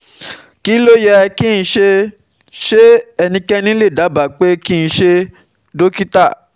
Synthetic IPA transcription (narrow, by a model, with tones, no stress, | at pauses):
ki˦lo˦jɛ˧ki˦˨n̩˨˧ʃe˧ | ʃe˦ɛ˧nĩ˧kɛ˦nĩ˦le˦˨da˨˦ba˨k͡pe˦ki˦ñ̩˧ʃe˧ | do˦ki˦ta˦˨